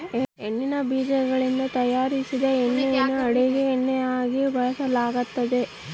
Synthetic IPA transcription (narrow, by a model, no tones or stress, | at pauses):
enːinɐbiːd͡ʒɐɡɐɭind̪ɐt̪ɐjaːɾisid̪ɐenːejɐnːuɐɽeɡeːnːejaːɡibɐɭɐsɐlaːɡɐt̪ːɐd̪e̞